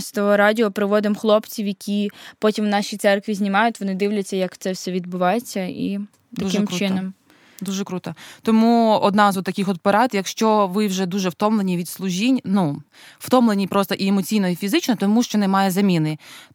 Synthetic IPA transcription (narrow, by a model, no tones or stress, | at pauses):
st̪ɔɦɔɾɑdʲiɔpɾɪʋɔd̪ɪmxlˠɔpt͡sʲiwjɐkʲipɔtʲimwnɑʃʲit̪sɛrkʋʲizʲnʲimɑjʊtʲʋɔnɪd̪ɪwlʲɐt͡sʲːɐjɐkt̪sɛwsʲɛʋʲid̪̚bʊʋɑjet͡sʲːɐḭ | t̪ɐukɪmt͡ʃɪnɔm | d̪uʒɛkɾut̪ɐt̪ɔmuɔd̪nɑzɔt̪ːɐkʲixɔd̪̚peɾɑt̪jɐkʃt͡ʃɔʋɪwʒɛd̪uʒɛwt̪ɔmlˠenʲiʋʲid̪slˠʊʒʲinʲnu | w̥t̪ɔmlˠenʲipɾɔst̪ɔʔiemɔt͡sʲijnɔifʲizɪt͡ʃnɔt̪ɔmuʃt͡ʃɔnɛmɑjɛzɐmʲinɪ